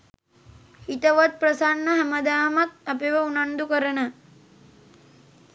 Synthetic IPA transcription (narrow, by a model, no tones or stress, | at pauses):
it̪ɐʋɐt̪̚pɾɐsanːɐɦɐmɐd̪aːmɐt̪̚ɐpeʋɐunɐnd̪ukɐɾɐnɐ